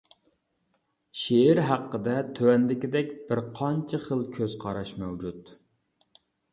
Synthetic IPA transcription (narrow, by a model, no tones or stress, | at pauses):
ʃeːɾɦæqːəd̪ɛt̪ʰøwɛnd̪ɪkʲɪd̪ɛkʲbɪɾqʰɑnt͡ʃʰɪχəlˠkʲʰøz̥qʰɑɾɑʃmɛwd͡ʒut̪